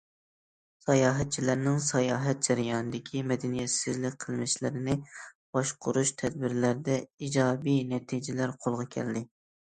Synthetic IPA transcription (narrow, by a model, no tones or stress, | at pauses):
sɑjɑːɦɛt̪̚t͡ʃʰilæɾnɪŋsɑjɑːɦɛt̪̚d͡ʒ̥ɛɾɪjɑːnɨd̪ɪkʲʰimɛd̪ɛnijɛt̪sɪzlɪk̚ʲqʰəlˠmɪʃlɪ̰ɾɪnɪb̥ɑʃqʰʊɾuʃt̪ʰɛd̪̚bɪɾlæɾd̪ɛid͡ʒɑːbijnɛt̪ʰid͡ʒɪlæɾqʰolˠʁɑkʲʰɛ̰ld̪ɪ